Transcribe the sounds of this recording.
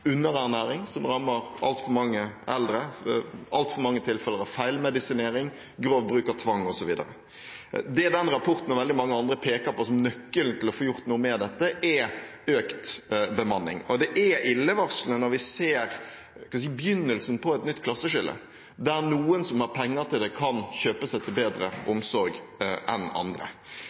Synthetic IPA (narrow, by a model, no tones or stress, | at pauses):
ʉnːəɾæːnæːɾɪŋsɔmɾɑmːəɾʔɑ̰lt̪fɔɾmɑŋːəʔɛld̪ɾə | ɑlt̪fɔɾmɑŋːət̪ʰɪlfɛləɾɑfæɪlmɛd̪ɪsɪneːɾɪŋ | ɡɾoːʋbɾʉːkɑt̪ʰʋɑŋːɔsɔʋiːd̪ə̰ɾə̰ | d̪ɛɛd̪ɛnɾɑpʰɔɾt̪n̩ːɔʁʋɛld̪ɪmɑŋːəɑnd̪ɾəpʰeːkɑɾpɔsɔmnœkːəlnt̪ʰɪlɔfoːjʊɾt̪nuːəmeːɾd̪ɛt̪ːəʔɛøːkt̪bəmɑnːɪ̰ŋɔd̪ɛʔɛʔɪlːəʋɑʁslənɔɾʋɪseːɾ | kɑnʋ̪siːbjʏnːəlsn̩pʰɔɛt̪nʏt̪ːkʰlɑsːəʂɪlːə̰ | d̪æɾnuːənsɔmhɑɾpʰɛŋːəɾt̪ʰɪld̪ɛkʰɑnçøːpəsæɪt̪ʰɪlbeːd̪ɾə̰ʔʊmsɔɾɡʔɛ̰nɑ̰nd̪ɾə̰